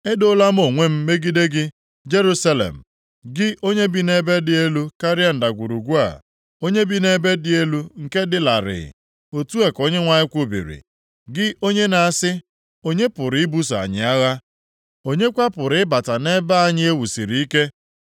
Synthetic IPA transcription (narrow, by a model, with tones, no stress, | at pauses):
e˦do˦la˦m̩˦o˨ŋʷe˦m̩˦me˦ɡi˦de˦ɡɪ˦ | d͡ʒe˦ɾu˦sa˦lḛ˨m̩˨ | ɡɪ˦ʔo˦ɲe˦bi˦ne˦be˦dɪ˦e˦lu˦ka˦ɾɪ˦a˦n̩˨da˨ɡʷu˨ɾu˨ɡʷu˦a̰˨ | o˦ɲe˦bi˦ne˦be˦dɪ˦e˦lu˦ŋ̩˨ke˦dɪ˦la˨ɾɪ̰˨ɪ̰˨ | o˨tu˦e˨ko˦ɲe˦ŋʷa˨ɲɪ˦kʷʊ˦bḭ˨ɾḭ˨ | ɡɪ˦ʔo˦ɲe˦na˨a˨sɪ˦ | o˦ɲe˦pʊ˨ɾɪ˨ɪ˦bu˦s̬a̰˨ɲɪ̰˨a˦ɣa˦ | o˦ɲe˦kʷa˦pʊ˨ɾɪ˨˦ɪ˦ba˨ta˨ne˦ba˦a˦ɲɪ˦e˦wu˨si˨ɾi˨i˦ke˦